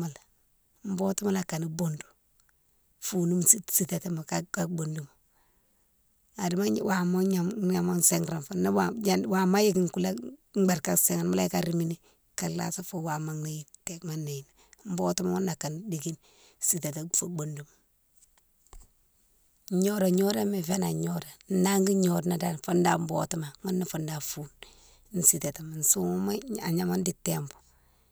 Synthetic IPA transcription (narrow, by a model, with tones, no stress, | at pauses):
ma˨l | m̩˦bo˦tu˦ma˦la˨ka˨ni˨bo˦ndu̥˨ | fu˨nu˦msi˦si˦ta˨te˦ma˨ka˦ka˦bo˨ndu˨m | a˨di˨ma˦wa˨mo˦a˨ɲa˨ma˦se˦ŋɾa˨nfa˨na˦aa˦wa˨ma˦ji˦ɡi˦˨ŋku˦la˦ɡ͡ba˨ɾka˦se˨ŋa˨nma˦la˦jka˦ɾi˦mi˦ni˦ | ka˨lla̰˦sa˦fo˦wa˨ma˨ŋna˨ji˦nte˨kma˦nːa˨ji˨na˨m˦bo˦tu˦ma˦ŋu˦nːa˨ka˨ndi˨ɡi˦n | si˨ta˨ta˨fo˨bo˨ndu˨m | ɲo˦ɾa˨ɲo˦ɾa˦mi˨fe˦na˨ɲo˦ɾa˨n˦na˦ŋɡi˦ɲo˨dna˨da˦nfo˦nda˦˨m˦bo̰˦tu˦ma˨ŋo˦nːa˨fu˨nda˨fu˦n˦ | n̩˦si˨ta˨ta˨ma˨n˨su˦ŋ˦ma˦a˨ɲa˨ma˦n˦di˨te˦mbu̥˨